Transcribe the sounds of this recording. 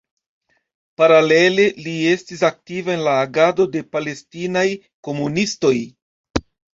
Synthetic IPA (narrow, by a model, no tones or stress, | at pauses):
paɾale̞le̞liestisak̚tivaenlaːɡado̞de̞pale̞stinaj | ko̞munisto̞j